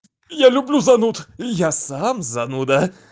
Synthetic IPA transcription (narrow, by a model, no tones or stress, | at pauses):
jalʲʉblʲuzanut̪ijasamzanud̪a